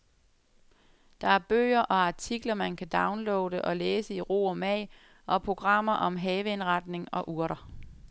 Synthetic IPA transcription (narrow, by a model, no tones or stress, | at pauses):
d̥ɑ̈æɐb̥ø̰ːɐʔɒ̽ɑ̈t͡sʰiɡ̥lɐmænkʰæd̥ɑ̈ʊnlɔ̽ːʊɾəʔɒ̽leːsəiʁo̝̰ːɒ̽mɛɪ | ʔɒ̽pʰʁo̝ɡ̥ʁɑ̈m̰ɐʔɒ̽mɦɛːʋəe̝nʁɑ̈d̥ne̝ŋɒ̽ʔuɐɾɐ